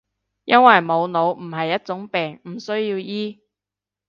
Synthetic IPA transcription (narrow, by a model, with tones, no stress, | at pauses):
jʔɐ˥nwɐ˨jmo˨˧wno˨˧wm̩˨˩ɦɐ˨jːɐ˥t̚t͡sʊ˨˥ŋpɛː˨ŋm̩˨˩sɵ˥ɥjiː˧wjiː˥